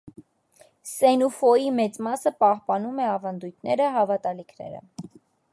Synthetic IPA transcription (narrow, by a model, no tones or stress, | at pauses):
sɛnufɔjimɛt͡smɑsəpɑhpɑnumɛɑvɑnd̪ujt̪ʰnɛɾəɦɑvɑt̪ɑlikʰnɛ̰ɾə̰